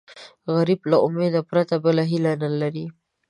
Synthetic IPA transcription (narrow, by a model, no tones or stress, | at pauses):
ɣaɾiblaʊmed̪apɾat̪abəlaɦilanalaɾi